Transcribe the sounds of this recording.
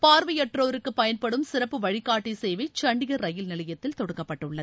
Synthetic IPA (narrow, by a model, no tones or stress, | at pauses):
paːɾʋɐjɛʈroːɾɯkːɯpɐjɐnpɐɽɯmsɪɾɐpːɯʋɐɻɪkːaːʈːisɛjʋɐɪt͡ʃɐɳɖɪɣɐɾɾɐjɪlnɪlɐjɐt̪ːɪlt̪ɔɽɯkːɐpːɐʈːɯɭːɐ